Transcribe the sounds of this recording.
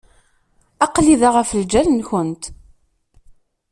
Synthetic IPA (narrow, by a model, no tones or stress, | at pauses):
ɑqliðaʁəfld͡ʒælənçʊnt̪